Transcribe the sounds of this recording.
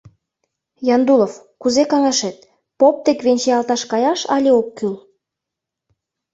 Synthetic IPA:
jɑnd̪ulofkuzekɑŋɑʃet̪̚ | pop̚t̪ekβenʲt͡ɕeɑlt̪ɑʃkɑjɑʃɑlʲeokːyl

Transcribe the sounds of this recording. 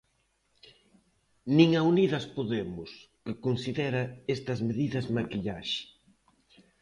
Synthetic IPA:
niŋauniðɐspoðemʊs | kɪkonsiðɛɾɐɛst̪ɐzmeðiðɐzmakiʎaʃe̥

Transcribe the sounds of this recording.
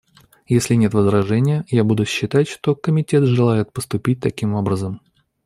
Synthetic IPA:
jesʲlʲɪnʲe̞t̪vəzɾɐʐɛnʲɪjəjabud̪ʊɕːɪt̪atʲʂt̪o̞kəmʲɪtʲet̪ʐɨlˠajɪt̪̚pəst̪ʊpʲit̚ʲt̪ɐkʲimo̞bɾəzəm

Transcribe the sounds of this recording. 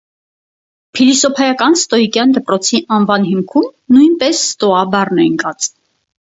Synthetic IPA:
pʰilisɔpʰɑjɑkɑnst̪ɔjikjɑnd̪əpɾɔt͡sʰiʔɑnvɑnɦimkʰumnujnpɛsːt̪ɔɑbɑrnɛŋkɑt͡s

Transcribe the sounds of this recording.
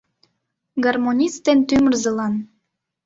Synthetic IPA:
ɡɑrmonʲist̪ent̪ymərzəlɑn

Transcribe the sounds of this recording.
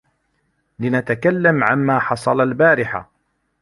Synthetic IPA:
lɪnat̪akalːamʕamːaːħɑsˤɑlalbaːɾɪħa̰

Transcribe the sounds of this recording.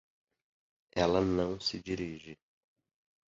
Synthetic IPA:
ɛlɐnɐ̃w̃sɪd͡ʒiɾiʒɪ

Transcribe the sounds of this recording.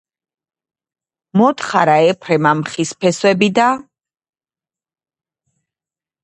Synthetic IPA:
mɔt̪χaɾaɛpʰɾɛmamχispʰɛswɛbid̪a

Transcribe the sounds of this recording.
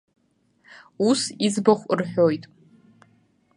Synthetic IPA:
usizbaχʷrħᶣojtʼ

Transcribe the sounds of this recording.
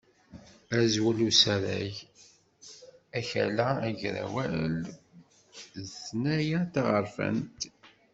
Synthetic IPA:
æzwælusæɾæ̰j | æçæ̰lææʝɾæ̰wæl | snæjæt̪aʁəɾfə̰nt̪

